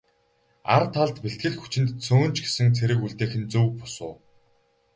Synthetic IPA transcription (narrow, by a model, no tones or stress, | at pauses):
a̰rt̪ʰːaɮt̪peɬt̪ɡɘ̆ɮxu̥t͡ɕɪ̆nt̪t͡sʰoːnt͡ɕɡe̥sɘ̆ŋt͡sʰeɾɘ̆kuɮt̪eːxɘ̆nt͡sɵwpʊ̥sʊ̰ː